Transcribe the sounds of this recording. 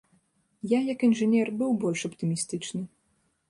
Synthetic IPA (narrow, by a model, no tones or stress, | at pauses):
jajɐkinʐɨnʲɛrbɨwbɔlʲʂɐpt̪ɨmʲist̪ɨt͡ʂnɨ